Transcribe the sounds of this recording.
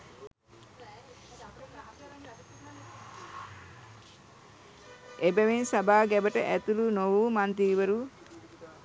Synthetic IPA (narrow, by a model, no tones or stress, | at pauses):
ʔebæʋensabaːɡɛbəʈəʔæt̪ulunoʋuːmant̪iːʋəɾu